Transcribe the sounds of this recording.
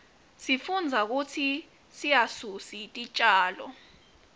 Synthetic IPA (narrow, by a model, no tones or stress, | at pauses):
sifund͡zʱak̬ut͡sʰi | sijasusitʼit͡ʃʼaːlɔ